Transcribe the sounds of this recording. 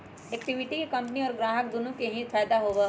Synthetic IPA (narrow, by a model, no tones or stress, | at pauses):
eːkʈɪʋɪʈikekɐ̃mpniɔːɾɡɾaːɦək̚d̪ʊnũkeɦĩpʰɛːd̪aɦoːʋe